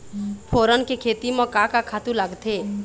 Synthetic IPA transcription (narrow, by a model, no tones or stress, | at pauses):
pʰoːɾənkekʰeːt̪imɔkakakʰaːt̪ũləɡt̪ʰeː